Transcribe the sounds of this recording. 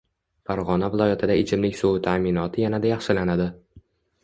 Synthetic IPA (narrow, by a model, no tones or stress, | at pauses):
faɾʁɒnavɪlˠɒjat̪ʰɪd̪aɪt͡ʃʰɪmlɪkʲsoʊt̪ʰamɪnɒt̪ʰɪjanad̪ajɑχʃɪlanad̪ɪ